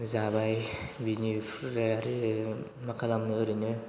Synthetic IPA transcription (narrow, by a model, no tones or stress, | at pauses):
zabajbinipʰɾeaɾi | makʰalamnɯɯɾɯnɯ